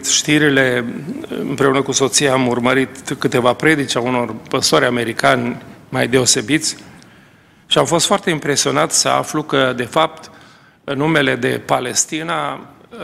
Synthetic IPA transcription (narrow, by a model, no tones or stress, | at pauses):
ʃt̪iɾile̞ | ɨ̰mpɾe̞unəkuso̞t̪sijaamurməɾit̪kɨt̪e̞vapɾe̞d̪it͡ʃauno̞rpəsoɾʲame̞ɾikanʲmajd̪e̞o̞se̞bit̪sʲ | ʃiamfo̞st̪foart̪e̞impɾe̞sio̞nat̪sʲsəa̰flukəd̪e̞fap̚t̪ | ɨnːume̞le̞d̪e̞̰pale̞st̪ina